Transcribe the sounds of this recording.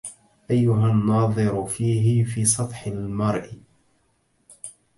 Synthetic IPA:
ʔajːʊɦanːɑːðˤɨɾfiːɦɪfiːsˤɑt̪ˤħalmɑɾˤʔ

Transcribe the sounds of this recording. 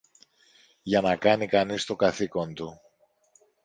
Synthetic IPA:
ʝɐnɐkɐnikɐnist̪o̞kɐθiko̞nt̪u

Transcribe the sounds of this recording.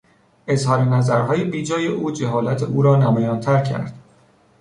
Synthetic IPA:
ʔe̞zhɒːɾenæzæɾɦɒːjebiːd͡ʒɒːje̞ʔuːd͡ʒeɦɒːlæt̪ʰeʔuːɾɒːnæmɒːjɒːnt̪ʰæɾcʰæ̰ɾd̪̥

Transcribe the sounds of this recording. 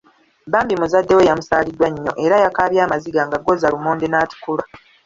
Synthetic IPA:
baːmbimuzadːe̞we̞jamusaːlidwaɲːo̞̰ʔe̞ɾajakaːβjaːmaziɡaŋɡaɡo̞zalumoːndenaːti̥kula

